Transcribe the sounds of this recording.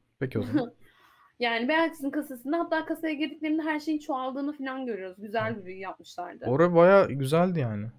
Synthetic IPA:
pʰecʰioz | jaːnibejalt͡ʃʰisinkʰasasɯnd̪aɦat̪ːaːkasajaɟiɾd̪ic̚lʲeɾind̪ɛɦæɾʃe̞jint͡ʃʰoalˠd̪ɯːnɯfilʲanɟø̞ɾyjo̞zɟyzælʲbylʲyjjap̚mɯʃlˠa̰ɾd̪ɯ̰oɾabajaːɟyzælʲd̪ijaːnɪ

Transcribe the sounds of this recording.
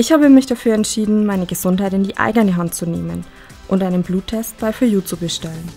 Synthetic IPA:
ʔɪçhaːbəmɪçd̥afyːɐɛntʃiːdn̩maɪnəɡəzʊnthaɪtɪndiːʔa̰ɪɡənəɦant̚t͡suneːmə̰n | ʔʊntʔaɪnənbluːtʰːɛst̚b̥aɪfyːɐjuːt͡subəʃtɛlən

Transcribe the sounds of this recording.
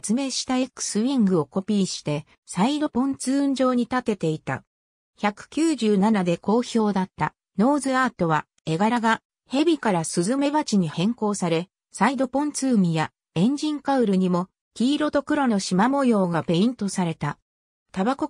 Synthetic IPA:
t͡sɨme̞ːɕi̥t̪aekɯ̥sɨĩŋɡɯ̟o̞ko̞pʲiːɕi̥t̪e̞ | said̪o̞põ̞nt͡sɨːɯ̃ɲ̟d͡ʑo̞ːɲ̟it̪at̪e̞t̪e̞it̪a̰ | çakɯ̟̥kʲɨːʑɨːnanad̪e̞ko̞ːço̞ːd̪at̪ːa̰ | no̞ːzɨaːt̪o̞β̞a | e̞ɡaɾaɡa | he̞bʲikaɾasɨzɨme̞βat͡ɕiɲ̟ihẽ̞ŋko̞ːsaɾe̞ | said̪o̞põ̞nt͡sɨːmʲija | ẽ̞ɲ̟d͡ʑĩŋkaɯ̟ɾɯ̟ɲ̟imo̞ | kʲiːɾo̞t̪o̞kɯ̟ɾo̞no̞ɕimamojo̞ːɡape̞ĩnt̪o̞saɾe̞t̪a | t̪abako̞

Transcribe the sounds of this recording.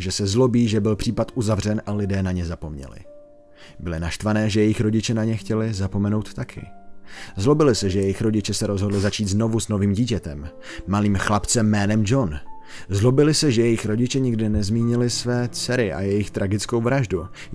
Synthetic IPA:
ʒɛsɛzlo̞biːʒɛbɪlpr̥iːpat̪ʔuzavr̝ɛnʔalɪdɛːnaɲɛzapo̞mɲɛ̰lɪ̰ | bɪlɪnaʃt̪vanɛːʒɛjɛjɪxɾo̞ɟɪt͡ʃɛnaɲɛxcɛlɪzapo̞mɛno̞wt̪ːakʰɪ̰ | zlo̞bɪlɪsɛʒɛjɛjɪxɾo̞ɟɪt͡ʃɛsɛɾo̞zɦodlɪzat͡ʃiːt̪zno̞vuzno̞viːmɟiːcɛt̪ɛmː | aliːmxlapt͡sɛmːɛːnɛmd͡ʒo̞n | zlo̞bɪlɪsɛʒɛjɛjɪxɾo̞ɟɪt͡ʃɛɲɪɡdɪnɛzmiːɲɪlɪsvɛːt͡sɛɾɪʔa̰jɛjɪxt̪ɾʔaɡɪt͡sko̞wvɾaʒdu

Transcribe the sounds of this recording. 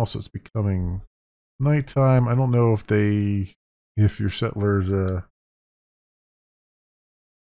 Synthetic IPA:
ɔlˠsoʊɨtsb̥ɨkʰʌmɪ̃ŋ | naɪtʰãɪ̃maɪɾõʊ̃nːoʊəfðeɪ | ɪfjə˞sɛ̰ʔl̩ˠə˞zʌ

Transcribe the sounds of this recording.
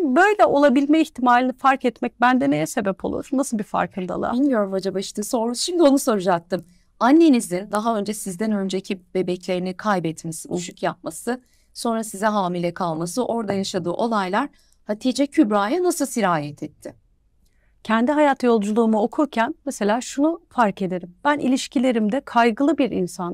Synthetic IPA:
bø̞jlʲɛʔo̞lˠabilʲmɛiçt̪ʰimaːlʲinifaɾkɛt̪mɛc̚bænd̪ɛnejɛse̞bɛpʰo̞̰lˠṵɾ̥nasɯlˠbifa̰ɾkʰɯnd̪a̰lˠa̰inʲmijo̞ɾumad͡ʒabaiʃt̪iso̞ɾuzʃimd̪io̞nuso̞ɾud͡ʒak̚t̪ɯm | anːe̞nizd̪ind̪aɦaø̞nd͡ʒɛsizd̪ænø̞nd͡ʒecʰib̥e̞bɛclʲe̞ɾinikʰajbɛt̪ʰːmsiuʃukjap̚masɯ | so̞nɾasizɛɦaːmilʲɛkʰalˠmasɯʔo̞ɾd̪ajaʃad̪ɯːʔo̞lˠajlˠaɾ̥ | hat̪ʰid͡ʒɛcʰybɾaːjanasɯlˠsiɾaːjɛt̪ʰɛt̪ʰːɪ | cʰɛnd̪iɦajat̪jo̞lˠd͡ʒulˠuːmuo̞kʰuɾcʰænmese̞lʲaːʃunufaɾke̞d̪e̞ɾimb̥ænʔḭlʲiʃcʰilʲe̞ɾimd̪ɛkʰajɡɯlˠɯbiɾḭnsan

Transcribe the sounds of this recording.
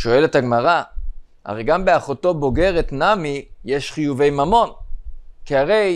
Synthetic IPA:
ʃo̞e̞letaɡmaʁa | ʔa̰ʁejɡambe̞aχoto̞bo̞ɡe̞ʁetnamijeʃχijuve̞jmamo̞nkiaʁe̞j

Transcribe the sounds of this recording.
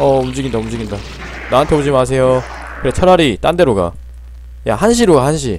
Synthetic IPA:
ʌumd͡ʑiɡindaumd͡ʑiɡinda | naɦantʰe̞bod͡ʑimas̬ʰe̞jo | kɯɾet͡ɕʰʌɾaɾit͈ande̞ɾoɡa̰ | ja̰hanɕ̬ʰiɾoɡahanɕʰi

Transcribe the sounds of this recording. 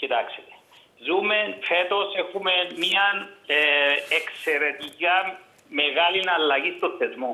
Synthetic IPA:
cit̪aksit̪ | zumenfet̪osexumemiɐn | ekseɾet̪ica | meɣalinɐlːɐɣist̪oθezmo

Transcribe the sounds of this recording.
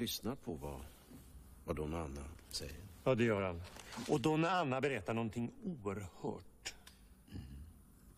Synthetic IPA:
ʏsnapʰɔva | vad̪ɔnanːa̰sɛ̰jːəɾjɑːd̪ɛjœːɾanːɔd̪ɔnɾanːabɛɾɛt̪ːaɳɔnt̪ʰɪŋːuːəɾhœ̰ːʈ̩

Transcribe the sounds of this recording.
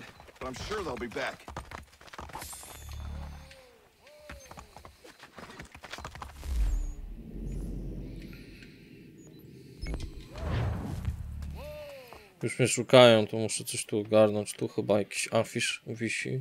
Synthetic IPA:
b̥ãɪ̃mʃʊɹðeɪlˠbibæk | juʂmʲɛʂukajɔ̃w̃t̪ɔmuʂɛsɔʃɕt̪uɔɡaɾnɔɲt͡ɕt̪uxɘbajakʲi̥ɕafʲiʂvʲiɕḭ

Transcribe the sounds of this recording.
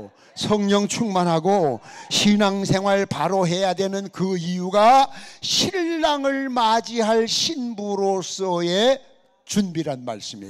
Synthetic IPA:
sʰʌŋɲʌŋt͡ɕʰuŋmanɦaɡoɕʰinaŋsʰe̞ŋɦwaɭpaɾoɦe̞jadwe̞nɯnkɯijuɡaɕʰiɭːaŋɯɭmad͡ʑiɦaɭɕʰinbuɾos͈ʌe̞ | t͡ɕunbiɾɦanma̰ɭs͈ɯmḭ

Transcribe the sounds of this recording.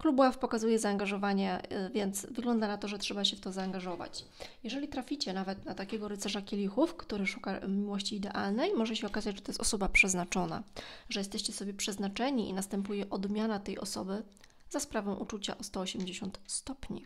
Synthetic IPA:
klubwafpɔkazujɛzaːŋɡaʐɔvaɲɛvʲjɛnt̪svɘɡlɔnd̪anat̪ɔʐɛtʂɛbaɕɛft̪ɔzaːŋɡaʐɔva̰t͡ɕ | jɛʐɛlʲit̪ɾafʲit͡ɕɛnavɛt̪nat̪akʲɛɡɔɾɘt̪sɛʐakʲelʲixufkt̪uɾɘʂu̥kamʲiwɔɕt͡ɕiːd̪ɛʔalnɛjmɔʐɛɕɛɔkazat͡ɕd͡ʑʐɛt̪ɔjɛst̪ɔsɔbapʂɛznat͡ʂɔna̰ʐɛjɛst̪ɛɕt͡ɕɛsɔbʲjɛpʂɛznat͡ʂɛɲiḭnast̪ɛmpujɛʔɔd̪mʲjanat̪ɛjɔ̰sɔbɘ | zaspɾavɔ̃w̃ʔut͡ʂut͡ɕa̰ʔɔst̪ɔɔɕɛmd͡ʑeɕɔnt̪st̪ɔpɲḭ

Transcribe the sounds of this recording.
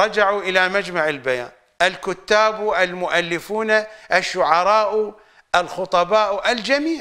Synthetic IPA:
ɾˤɑd͡ʒaʕuʔɪlamad͡ʒmaʕɪlbaja̰ːn | ʔɪlkʊt̪ːaːbuʔɪlmʊʔalːɪfuːnaʔɪʃːʊʕɑɾˤɑːʔu | ʔalxʊt̪ˤɑbɑːʔuʔɪld͡ʒamiːʕ

